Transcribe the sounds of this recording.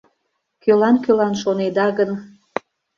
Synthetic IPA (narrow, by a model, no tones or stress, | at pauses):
kølɑnkølɑnʃoned̪ɑɣən